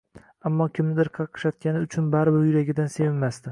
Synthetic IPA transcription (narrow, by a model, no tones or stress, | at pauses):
amːɒkʲʰɪmnɪd̪ɪɾqʰɑqʰɨ̥ʃat̪̚kʲanɪʊt͡ʃʰʊnbaɾɪbɪɾjʊɾaɡʲɪd̪anse̞vɪnmast̪ɪ